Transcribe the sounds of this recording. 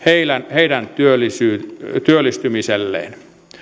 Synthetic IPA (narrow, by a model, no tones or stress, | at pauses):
heilænheidænt̪yølːˑisyːt̪yølːist̪ymiselːḛːn